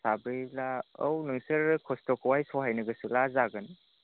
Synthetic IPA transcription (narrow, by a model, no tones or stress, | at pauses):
sabɾilaə̰wnɯŋsɯɾkʰɔstɔkʰwajsɔɦajnɐɡɐsulazaɡɯn